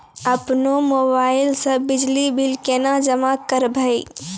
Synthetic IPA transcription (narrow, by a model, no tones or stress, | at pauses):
ɐpnomoːbaːɪlsə̃bɪd͡ʒlibʱɪlkeːnad͡ʒəmakəɾbʱəi